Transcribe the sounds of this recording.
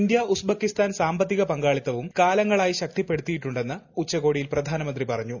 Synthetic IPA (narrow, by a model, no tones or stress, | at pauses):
ind̪jɐusbɐkːist̪aːnsaːmbɐt̪ːiɣɐpɐŋɡaːɭit̪ːɐʋumkaːlɐŋːɐɭaːjiɕɐk̚t̪ipːe̞ɽut̪ːijiʈːuɳɖe̞nːɐut͡ɕːɐko̞ːɽijilprɐd̪ʱaːnɐmɐnd̪ripɐrɐɲːu